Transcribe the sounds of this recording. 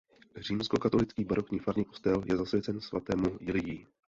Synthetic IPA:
riːmsko̞kat̪o̞lɪt͡skiːbaɾo̞kɲiːfaɾɲɪko̞st̪ɛljɛzasvjɛt͡sɛnsva̰t̪ɛːmujɪlɪjiː

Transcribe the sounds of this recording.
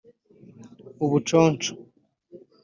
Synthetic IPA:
uβut͡ʃoːnt͡ʃo̥

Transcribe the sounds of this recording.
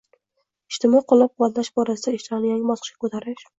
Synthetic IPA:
ɪʃt̪ɪmɒqʰʊlˠap̚qʰʊvat̪laʃbɒɾasɪd̪aɪʃt̪ʰanɪjaŋʲɪmɒsqʰɨ̥ʃkʲḁkʰot̪ʰaɾɪʃ

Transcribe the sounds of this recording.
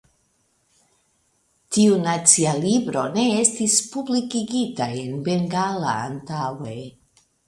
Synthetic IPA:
tiunat͡sialibɾo̞ne̞e̞stispublikiɡitaje̞nbe̞ŋɡala̰ːntawe̞

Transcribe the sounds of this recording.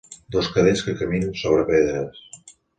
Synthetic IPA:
d̪oskəðeʎskəkəminənsoβɾəpeðɾəs

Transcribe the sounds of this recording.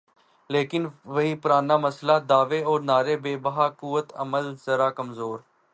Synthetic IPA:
leːkɪnʋəɦiːpʊɾaːnaːməslaːd̪aːʋeːɔːɾnaːɾeːbeːbəɦaːkuːʋət̪ə̰məlzəɾaːkəmzoːɾ

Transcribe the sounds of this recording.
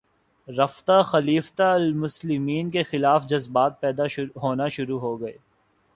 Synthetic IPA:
ɾɐft̪axɐliːft̪aɐlmʊslɪmiːnkexɪlaːfd͡ʒɐzbaːt̪̚pɛːd̪aɦoːnaʃʊɾuɦoɡɐeː

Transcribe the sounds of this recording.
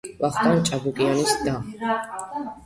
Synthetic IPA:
laχt̪ʼant͡ʃʼabukʼianisd̪a

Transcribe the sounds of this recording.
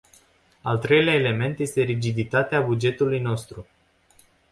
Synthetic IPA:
alt̪ɾe̞jleaele̞me̞nt̪je̞st̪e̞ɾid͡ʒid̪it̪at̪eabud͡ʒe̞t̪ulujno̞st̪ɾu

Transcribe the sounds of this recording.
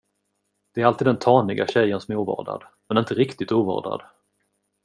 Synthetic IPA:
d̪̥ɛæɾalt̪ʰiːd̪d̪ɛnt̪ʰɑːnɪɡaɕɛjːənsɔmɛuːvɑ̰ːɖa̰d̪ | mɛnɪnt̪əɾɪkt̪ɪt̪uːvɑ̰ːɖ̪a̰d̪

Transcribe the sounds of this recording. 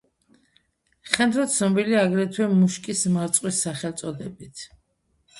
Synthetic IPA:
χɛnd̪ɾat̪sʰnɔbiliaɡɾɛt̪ʰwɛmuʃkʼismaɾt̪sʼqʼwisːaχɛlˠt̪sʼɔd̪ɛbit̪ʰ

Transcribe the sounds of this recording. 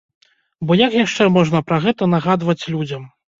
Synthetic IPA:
bɔjɐkjaʂt͡ʂɛmɔʐnɐpɾɐɣɛt̪ɐn̪aɣad̪vɐt͡sʲlʲud͡zʲɐm

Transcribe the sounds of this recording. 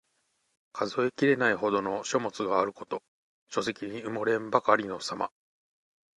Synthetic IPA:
kʰazo̞ekʲiɾe̞naiho̞d̪o̞no̞ɕo̞mo̞t͡sɨɡaːɾɯ̟ko̞t̪o̞ | ɕo̞se̞kʲiɲ̟iɯ̟mo̞ɾẽ̞mbakaɾʲino̞sama̰

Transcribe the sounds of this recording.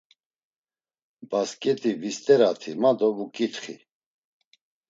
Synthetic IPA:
baskʼɛt̪ʰʼivist̪ʼɛɾat̪ʰimad̪ɔvukʼit̪χḭ

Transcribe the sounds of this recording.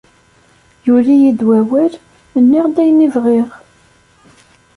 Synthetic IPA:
julijid̪wæwæl | ənːiʁd̪æjnivʁiʁ

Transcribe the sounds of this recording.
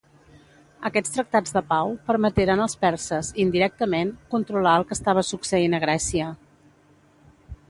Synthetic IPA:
əkɛt͡st̪ɾək̚t̪ad͡zðəpawpəɾmət̪eɾənəlˠspɛɾsəzind̪iɾɛk̚t̪əmeŋkunt̪ɾulaəlˠkəst̪aβ̞əsuksəinəɣ̞ɾɛsiə

